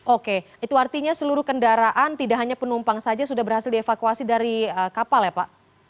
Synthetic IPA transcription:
ʔoke | it̪uart̪iɲasəluɾʊhkəndaɾaʔant̪idaʔɦaɲapənumpaŋsad͡ʒasudahbərhasɪldiefakuasidaɾiəkapaljapaʔ

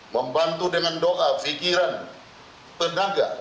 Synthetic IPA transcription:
məmbant̪udəŋandoʔafikiɾan | t̪ənaɡa

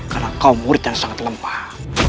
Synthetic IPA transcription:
kalakawmuɾd̪aŋsaŋat̪lampḁ

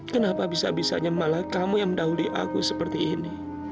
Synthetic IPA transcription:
kənapabisa̰bisa̰ɲamalakamujaŋməndaɦuliʔa̰kṵsəpərt̪iːni

